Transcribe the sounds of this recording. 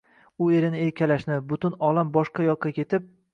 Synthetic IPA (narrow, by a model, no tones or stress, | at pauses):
ʊe̞ɾɪnɪe̞ɾkʲʰalaʃnɪbʊt̪ʊnɒlˠambɒʃqɑjɒqːɑkʲe̞t̪ʰɪp̚